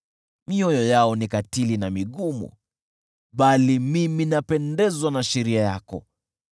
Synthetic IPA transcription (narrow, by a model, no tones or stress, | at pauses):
miɔjɔjaɔnikatilinamiɠumṵ | ɓalimiminapɛndɛzwanaʃɛɾiajakɔ̰